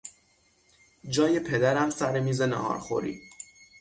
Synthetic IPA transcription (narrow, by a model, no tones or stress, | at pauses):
d͡ʒɒːje̞pʰe̞d̪æɾæmsæɾemiːzenæ̰ɒ̰ːɾxo̰ɾḭ̥ː